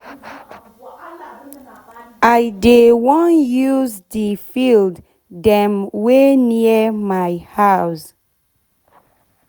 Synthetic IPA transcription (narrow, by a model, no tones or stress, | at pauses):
ʔajdewɔ̃njuzdəfild | dɛ̃mweniəmajhaws